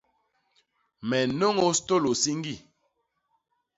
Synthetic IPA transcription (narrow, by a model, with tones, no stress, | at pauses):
mɛ˨no˦ŋo˦sto˦˨lo˨si˦ŋ˦ɡi˦˨